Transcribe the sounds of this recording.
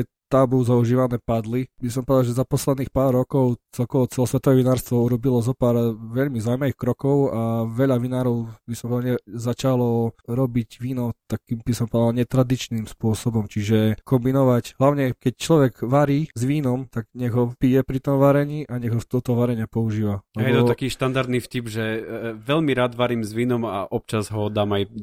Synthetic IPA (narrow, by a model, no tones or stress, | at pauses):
ɛ | t̪abuzauʒiːʋanɛːpad̪libisɔmpɔd̪alʒɛzapɔslɛd̪niːxpaːɾːɔkɔʊt͡sɛlkɔʋɔt͡sɛlɔsʋɛt̪ɔʋɛʋinaːɾst̪ʋɔuɾɔbilɔzɔpaːɾʋɛʎmizaʊumaʋixkɾɔkɔʊaʋɛʎaʋinaːɾɔʊbisɔmpɔd̪aɛzat͡ʃalɔɾɔbiɟʋiːnɔt̪akimbisɔmpɔd̪alɲɛt̪ɾad̪it͡ʃnimspʊɔsɔbɔmt͡ʃiʒɛkɔmbinɔʋacɦlaʊɲɛkɛct͡ʃlɔʋɛɡʋaɾiːzʋiːnɔmt̪aɡɲɛɣɦɔpijɛpɾit̪ɔmʋaɾɛɲiːʔaɲɛɣɦɔft̪ɔt̪ɔʋaɾɛɲapɔuʒiːʋalɛjɛbt̪ɔt̪akiːʃt̪and̪aɾd̪nifcibʒɛʋɛʎmiɾaːd̪ʋaɾiːmzʋiːnɔma̰ʔɔp̚t͡ʃazɦɔd̪aːmaj